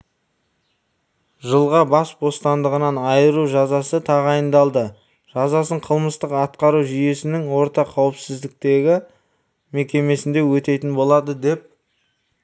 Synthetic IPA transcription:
ʒəlˠʁɑbɑsbo̞st̪ɑnd̪əʁənɑnɑjəɾuʒɑzɑsət̪ʰɑʁɑjənd̪ɑlˠd̪ə | ʒ̥ɑzɑsəɴqʰəlˠməst̪əqɑt̪̚qɑɾuwʒʏje̞sɪnɪŋwo̞ɾt̪ɑqʰɑwəpsɪzd̪ɪk̚t̪e̞ɡʲɪ | me̞kʲe̞me̞sɪnd̪e̞wɵt̪e̞jt̪ɪnbo̞lˠɑd̪əd̪e̞p̚

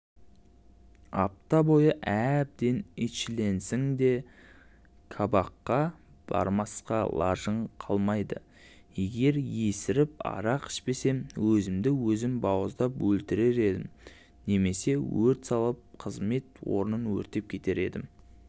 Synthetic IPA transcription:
ɑ̰p̚t̪ɑbo̞jəʔæb̚d̪e̞nɪʃɪle̞nsɪŋd̪e̞ | kʰabɑqːɑ | b̥ɑ̰ɾmɑsqɑlˠʔɑ̰ʒəɴqʰɑlˠmɑjd̪ə̰ | je̞ɡʲe̞ɾjesɪɾɪp̚ɑ̰ɾɑqɪ̥ʃpe̞se̞mwɵzɪmd̪ɪwɵzɪmbɑwəzd̪ɑpwɵlt̪ɪɾeɾe̞d̪ɪm | ne̞me̞se̞wɵɾt̪sɑlˠəp̚qʰəzme̞t̪wo̞̰ɾənənwɵ̰ɾt̪e̞p̚kʲʰe̞t̪e̞ɾe̞d̪ɪm

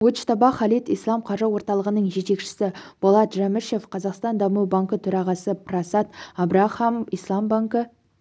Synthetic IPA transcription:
wot̪t͡ʃt̪ɑbɑχɑlit̪ijslˠɑmqʰɑʒəwo̞ɾt̪ɑlˠəʁənəɴʒe̞t̪e̞kʃɪ̥sɪb̥olˠɑt̪ʒamɪʃe̞fqʰɑzɑqst̪ɑnd̪ɑmuwbaŋkət̪ʰɵɾɑʁɑsəprosɑt̪ɑbɾɑχɑmijslˠɑmbaŋkə

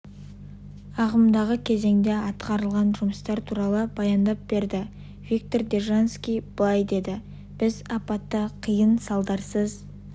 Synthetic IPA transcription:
ɑʁəmd̪ɑʁəkʲʰe̞ze̞ŋd̪e̞ɑt̪qɑɾəlˠʁɑnʒʊməst̪ɑɾt̪ʰuɾɑlˠəbɑjɑnd̪ɑp̚be̞ɾd̪ɪ | vik̚t̪o̞rd̪eʒanskʲijb̥ʊlˠɑjd̪e̞d̪ɪ | b̥ɪzɑpɑt̪ːəqʰijənsɑlˠd̪ɑɾsəz

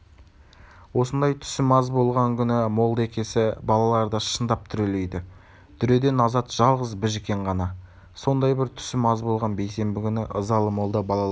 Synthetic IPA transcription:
wo̞sənd̪ɑjt̪ʰʏ̥sɪmɑzbo̞lˠʁɑŋkʲʰʏnɪmo̞lˠd̪e̞kʲe̞sɪbɑlˠɑlˠɑɾd̪ɑʃənd̪ɑp̚t̪ʰʏɾele̞jd̪ɪ | d̪̥ʏɾe̞d̪e̞nɑzɑt̪ʒ̥ɑlˠʁəzbɪʒekʲe̞ɴʁɑnɑ | so̞nd̪ɑjbɪɾt̪ʰʏ̥sɪmɑzbo̞lˠʁɑnbe̞jse̞mbɪkʲʰʏnɪʔəzɑlˠəmo̞lˠd̪ɑbɑlˠɑ

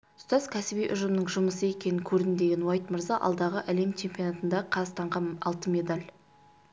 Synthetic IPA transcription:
st̪ɑskʲʰæsɪbijʔʊʒʊmnəɴʒʊməsəe̞kʲe̞nɪŋkʲʰɵɾd̪ɪnd̪eɡʲe̞nwɑjt̪məɾzɑʔɑ̰lˠd̪ɑʁəʔæle̞mt͡ʃʰe̞mpʲijonat̪ənd̪ɑqʰɑzt̪ʰɑɴʁɑnɑ̰lˠt̪əmʲe̞d̪alʲ

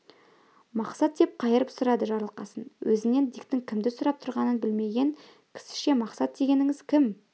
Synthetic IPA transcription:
mɑqsɑt̪̚d̪e̞p̚qʰɑjəɾəpsʊɾɑd̪əʒɑɾlˠqɑsənwʔɵzɪne̞nd̪ikt̪ɪŋkʲʰɪmd̪ɪsʊɾɑp̚t̪ʰʊɾʁɑnənbɪlme̞ɡʲe̞ŋ | kʲʰɪ̥sɪ̥ʃe̞mɑqsɑt̪̚d̪e̞ɡʲe̞nɪŋɪz̥kʲʰɪm

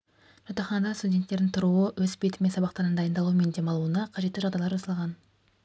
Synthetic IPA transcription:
ʒ̥ɑt̪ːɑχɑnɑd̪ɑst̪udʲet̪ːe̞ɾd̪ɪnt̪ʰʊɾuəwɵzbet̪ɪme̞nsɑbɑq̚t̪ɑɾənd̪ɑjənd̪ɑlˠuwəme̞nd̪e̞mɑlˠuənɑqʰɑʒe̞t̪ːɪʒɑʁd̪ɑjlˠɑɾʒosɑlˠʁɑn

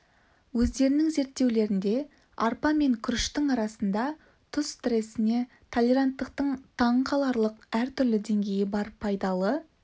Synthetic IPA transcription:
wɵzd̪e̞ɾɪnɪŋze̞ɾt̪ːe̞wle̞ɾɪnd̪e̞ | ɑɾpɑme̞ŋkʲʰʏɾɪʃt̪ɪŋɑɾɑsənd̪ɑ | t̪ʰʊsːt̪ɪɾe̞sɪne̞ | t̪ʰolˠeɾant̪ːəqt̪əɴt̪ʰɑɴqʰɑlˠɑɾlˠəqæɾt̪ʰʏɾlɪd̪e̞ŋɡʲe̞jɪbɑɾpʰɑjd̪ɑlˠə

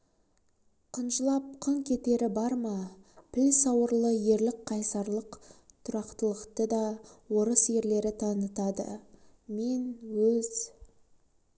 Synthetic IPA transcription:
qʰənʒəlˠɑp̚qʰəŋkʲʰe̞t̪e̞ɾɪbɑɾmɑpʰɪlsɑwəɾlˠəje̞ɾlɪkqʰːɑjsɑɾlˠəqt̪ʰʊɾɑqt̪əlˠəqt̪əd̪ɑwo̞ɾəsje̞ɾle̞ɾɪt̪ʰɑnət̪ɑd̪ə̰ | me̞nwɵz̥

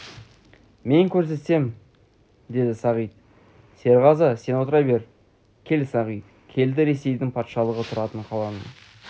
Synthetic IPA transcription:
me̞ŋkʲʰɵɾse̞t̪se̞m | d̪e̞d̪ɪsɑʁijt̪̚ | se̞ɾʁɑzəse̞nwo̞t̪̬əɾɑjbe̞ɾ | kʲʰe̞lsɑʁijt̪̚ | kʲʰe̞ld̪ɪɾe̞se̞jd̪ɪŋpʰɑt̪ʃɑlˠəʁət̪ʰʊɾɑt̪əɴqʰɑlˠɑnəm

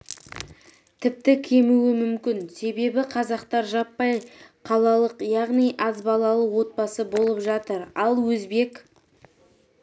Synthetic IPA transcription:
t̪ʰɪp̚t̪ɪkʲʰe̞muwɪmʏmkʲɪnse̞be̞bɪqʰɑzɑqt̪ɑɾʒɑpːɑjqʰɑlˠɑlˠəqjɑʁnijʔɑzbɑlˠɑlˠəwo̞t̪̚bɑsəbo̞lˠəpʒɑt̪əɾɑlˠwɵzbe̞k

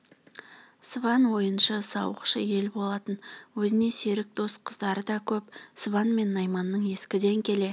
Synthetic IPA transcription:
səvɑnwo̞jənʃəsɑ̰wəqʃə̰je̞lbo̞lˠɑt̪ənwɵzɪne̞se̞ɾɪk̚d̪o̞sqʰəzd̪ɑɾəd̪ɑkʲʰɵpsəvɑnme̞nːɑjmɑnːəɴe̞skʲɪd̪e̞ŋkʲʰe̞le̞

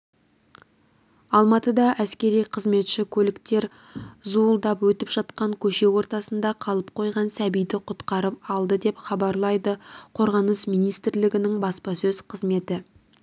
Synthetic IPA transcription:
ɑlˠmɑt̪əd̪ɑʔæskʲe̞ɾijqʰəzme̞t̪ʃɪkʲʰɵlɪkt̪e̞ɾ | zuəlˠd̪ɑpwɵt̪ɪpʒ̥ɑt̪qɑŋkʲʰɵʃe̞wo̞ɾt̪ɑsənd̪ɑqʰɑlˠəp̚qʰo̞jʁɑnsæbijd̪ɪqʰʊt̪qɑɾəp̚ɑlˠd̪əd̪e̞pχɑbɑɾlˠɑjd̪əqʰo̞ɾʁɑnəsmijnijst̪ɾlɪɡʲɪnɪŋbɑspɑsɵz̥qʰəzme̞t̪ɪ

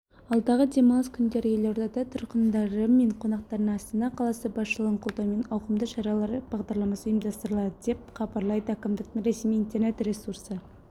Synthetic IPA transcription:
ɑlˠd̪ɑʁəd̪e̞mɑlˠskʲʰʏnd̪e̞ɾɪeloɾd̪ɑd̪ət̪ʰʊɾqənd̪ɑɾəme̞ɴqʰo̞nɑqt̪ɑɾənɑst̪ənɑqʰɑlˠɑsəbɑsʃəlˠəɴqʰʊlˠt̪ɑme̞nɑwqəmd̪əʃɑɾɑlˠɑɾb̥ɑʁd̪ɑɾlˠɑmɑsəjmd̪ɑst̪əɾəlˠɑd̪əd̪e̞p̚χɑbɑɾlˠɑjd̪əækʲɪmd̪əq̚t̪əŋɾesmijint̪ʰe̞rnet̪rʲe̞suɾsə

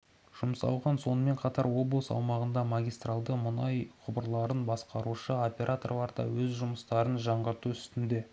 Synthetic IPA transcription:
ʒ̥ʊməsɑ̰wʁɑnso̞nəme̞ɴqʰɑt̪ɑɾwo̞blˠəsɑ̰wmɑʁənd̪ɑmaɡʲijst̪ralˠd̪əmʊnɑjqʰʊbəɾlˠɑɾənbɑsqɑɾuʃəo̞pʲe̞ɾʔat̪o̞rlˠɑɾd̪̥ɑ̰wɵzʒʊməst̪ɑɾənʒɑɴʁəɾt̪uʏst̪ɪnd̪e̞

